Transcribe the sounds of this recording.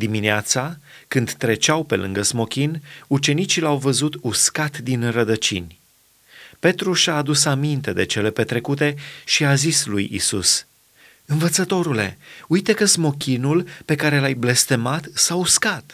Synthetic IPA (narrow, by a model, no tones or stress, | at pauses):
d̪imineat̪sa | kɨnd̪t̪ɾe̞t͡ʃawpe̞lɨ̰ŋɡəzmo̞kʲinut͡ʃe̞nit͡ʃilawvəzut̪uskat̪d̪inrəd̪ət͡ʃḭnʲ | pe̞t̪ɾuʃaːd̪usamint̪e̞d̪e̞t͡ʃe̞le̞pe̞t̪ɾe̞kut̪e̞ʃiazislujḭsus | ɨnvət̪sət̪o̞ɾule̞̰ujt̪ekəzmo̞kʲinulpe̞kaɾe̞lajble̞st̪e̞mat̪sauskat̪